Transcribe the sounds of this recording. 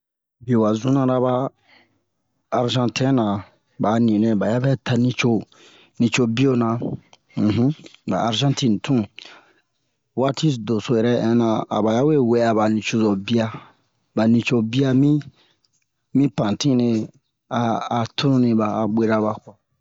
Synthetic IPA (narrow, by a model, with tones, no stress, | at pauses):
bi˨o˨wa˨zũ˦nã˧ɾa˧˦ba˧˦˨ | ɾʒã˧ntʰɛ̃˦nã˨ | ba˨nĩ˨nɛ̃˨ba˨ja˦bɛ˦tʰa˧nĩ˧t͡ʃo˦ | nĩ˧t͡ʃo˦bi˦o˦nã˨ | ɦ̩˦ba̰˨a˨ɾʒã˦ntĩ˦n˨tʰũ˦ | wa˦ti˦sdo˨so˦jɛ˨ɾɛ˦ɛ̃˨˦nã˧a̰˨ba˨ja˦we˦we˦a˨ba˨nĩ˨t͡ʃo˧zɔ˨bi˦a˧ | ba˨nĩ˧t͡ʃo˧bi˦a˧mĩ˦ | mĩ˦pã˨tĩ˦ne˧ | aː˨tʰu˦ɾũ˦nĩ˧baː˨ɡ͡be˨ɾa˧βa˨ka˨